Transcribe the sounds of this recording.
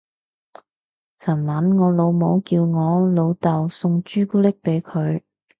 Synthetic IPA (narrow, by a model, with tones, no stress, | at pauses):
t͡sʰɐ˨˩nmɐ˨˥nŋɔː˨˧lo˨˧wmo˨˧˥wkiː˧wŋɔː˨˧lo˨˧wt̪ɐ˨wsʊ˧ŋt͡ʃyː˥kuː˥lɪ˥k̚pe˨˥jkʰɵ˨˧ɥ